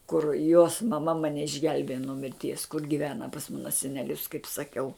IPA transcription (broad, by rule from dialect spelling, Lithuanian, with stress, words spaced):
kʊr joːs mɐˈmɐ mɐˈnʲɛ ɪʒʲˈɡʲɛlʲbʲeːjɛ nuɔ mʲɪrʲˈtʲiɛs kʊr ɡʲɪˈʋʲæːnɐ pɐs ˈmɑːnɐ sʲɛnʲɛˈlʲʊs kɐɪp sɐˈkʲɛʊ